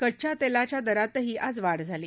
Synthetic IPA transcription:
kəɽt͡ɕat̪elat͡ɕjad̪əɾat̪əɦiːʔad͡zʋaɽd͡zʱaliː

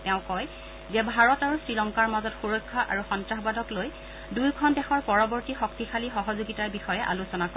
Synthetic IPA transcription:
tɛʊ̃kɔj | zɛbʱaɹɔtaɹusɹilɔŋkaɹmazɔtxuɹɔkʰːaʔa̰ɹuxɔntɹaxbadʱɔkloj | dujkʰɔndɛxɔɹpɔɹɔbɔɹtixɔk̚tixʰalixɔɦɔzuɡitaɹbixɔjɛʔa̰lusɔnakɔ

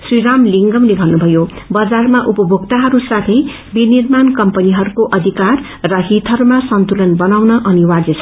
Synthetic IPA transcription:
sriɾamliŋɡʌmlebʱʌnːubʱʌjo | bʌd͡zarmaʔupʌbʱokt̪aɦʌɾusat̪ʰʌj | binirmankʌmpʌniɦʌɾukoʔʌd̪ʱikarː | ʌɦit̪ʰʌɾumasʌnt̪ulʌnbʌnawnʌʔʌniwad͡zʌt͡sʰ

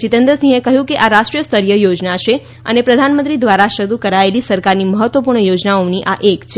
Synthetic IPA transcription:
t͡ʃit̪ənd̪ɾəsĩekəɦjũkeʔaɾaʃʈɾijəst̪əɾjəjod͡ʒnaʃe | ə̰nepɾəd̪ʱanmə̃nt̪ɾid̪ʋaɾaʃəd̪ukəɾaelisəɾkaɾniməɦət̪ʋəpuɾɳəjod͡ʒnaoniʔaʔekt͡ʃʰe

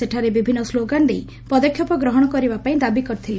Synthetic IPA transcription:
eʈʰaɾebibʱinːɔsloɡand̪ej | pɔd̪ɔkʰjɔpɔɡɾɔɦɔɽ̃ɔkɔɾibapaĩd̪abikɔɾt̪ʰile

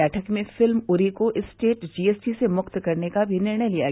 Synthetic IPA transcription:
ɛːʈʰəkmẽfɪlmʊɾikoʔɪsʈeːʈd͡ʒiːeːsʈisemʊqt̪kɐɾnekabʱinɪɾɳ̃əjlija

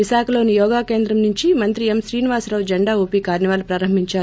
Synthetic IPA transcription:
iʃaːkɐlo̞ːnijɔːɡaːke̞ːnd̪ɾɐmnuɲt͡ʃimɐnt̪ɾiemʃɾiːniʋaːsɾɐːʋd͡ʒɐɳɖaːoːpiːkaːɾnɐʋaːlupɾaːɾɐmbʱiɲt͡ʃaː

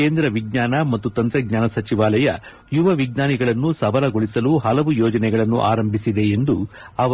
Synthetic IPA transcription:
eːnd̪ɾɐʋiɡ̚ɲaːnɐmɐt̪ːut̪ɐnt̪ɾɛɡɲaːnɐsɐt͡ʃiʋaːlɐjɐ | juʋɐʋiɡnaːniɡɐɭɐnːusɐʋɐlɐɡoɭisɐluɦɐlɐʋujɔːd͡ʒɐnɛɡɐɭɐnːṵʔa̰ːɾɐmbʱisid̪e̞end̪u | ɐʋɐ

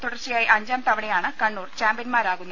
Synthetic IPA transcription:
t̪uɽɐrt͡ɕːijaːjiʔɐɲd͡ʑaːmt̪ɐʋɐɳejaːɳɨkɐɳːuːrt͡ɕaːmbijɐnmaːɾaːɣunːɐ

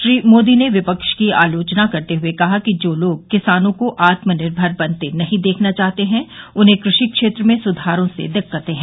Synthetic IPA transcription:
ʃɾiːmoːd̪ineʋɪpəkʃkiaːloːt͡ʃnakɐɾt̪eɦʊekɐɦakid͡ʒoːloːɡ̚kːɪsaːnõkoʔaːt̪mənɪɾbʱəɾbɐ̃nt̪enɐɦĩd̪eːkʰnat͡ʃaːɦt̪eɦɛ̃ʊnɦẽkɾʊʃikʃeːt̪ɾəmẽsʊd̪ʱaːɾõsḛd̪ɪkːət̪ẽɦɛ̃ː

